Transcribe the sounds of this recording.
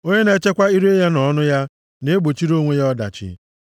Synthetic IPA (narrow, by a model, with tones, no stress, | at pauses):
o˦ɲe˦ne˨˦t͡ʃe˦kʷa˦i˦ɾe˦ja˦nɔ˨˦nʊ˦ja˦ | ne˦ɡ͡bo˨t͡ʃi˦ɾo˦ŋʷe˦ja˦ɔ˦da̰˨t͡ʃɪ̰˨˦